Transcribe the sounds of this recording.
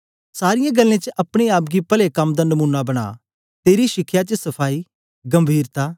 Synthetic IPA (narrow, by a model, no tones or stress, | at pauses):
saːɾɪjãɡəlːẽt͡ʃəʔɐpɽ̃eaːp̚ɡipɐlekɐmd̪anɐmuːnːabɐɽ̃a̰ː | t̪eːɾiʃɪkʰːjat͡ʃəsɐpʰaːi | ɡɐ̃mbʱiːɾt̪aː